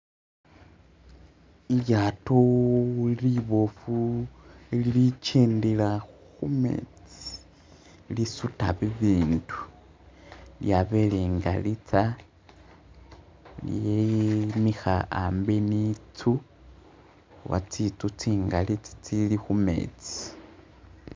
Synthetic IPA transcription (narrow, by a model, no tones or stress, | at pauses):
iljato | liβofu | lilit͡ʃeːndila | xumḛt͡si̥ | lisutaβiβiːndu̥ | ljaβeliːŋɡa̰lit͡sa | ljemixaambenit͡su | wa̰t͡sit͡sut͡siːŋɡalit͡si̥t͡silixumḛt͡si̥